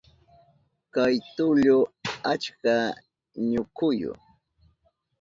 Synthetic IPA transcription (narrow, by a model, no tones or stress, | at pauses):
kajt̪ʊʎʊat͡ʃka | ɲʊkʊjʊ̰